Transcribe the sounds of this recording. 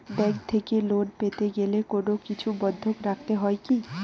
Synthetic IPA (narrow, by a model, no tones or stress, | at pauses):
ɖɛɡ̚t̪ʰekeloɖpet̪eɡelekonokit͡ɕʰubɔd̪ʱːokɾakʰt̪eɦɔeki